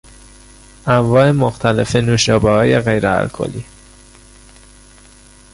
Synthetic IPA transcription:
ʔæmvɒːemoxt̪ʰælḛfe̞nuːʃɒːbɒhɒːjeɣejɾeæ̰lkʰo̰lḭ

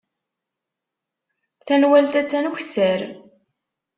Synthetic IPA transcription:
θænwælt̪æt͡sːænuçsæɾ

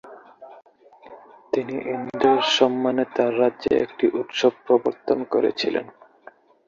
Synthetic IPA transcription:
t̪iniʔind̪eɾʃɔmːanet̪aɾːadʑḛḛk̚ʈiʔut̪ʃob̚pɾoboɾt̪onkoɾḛt͡ɕʰilḛn

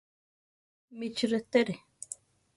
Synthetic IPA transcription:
mit͡ʃɾet̪eɾe

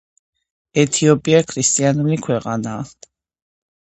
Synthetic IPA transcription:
ɛt̪ʰiɔpʼiakʰɾist̪ʼianulikʰwɛqʼanaː

